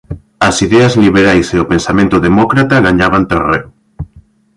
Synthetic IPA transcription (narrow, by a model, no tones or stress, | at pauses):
asiðeazliβ̞eɾajseopensamẽnt̪oðemokɾat̪aɣaɲaβ̞ant̪erew